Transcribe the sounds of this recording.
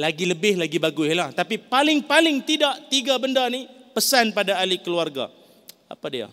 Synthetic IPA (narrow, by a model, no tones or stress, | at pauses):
laɡiləbɪhlaɡibaɡʊɪlaht̪apipalɪŋpalɪŋt̪idaʔt̪iɡabəndanipəsanpadaːlikəluarɡa̰ | a̰padia̰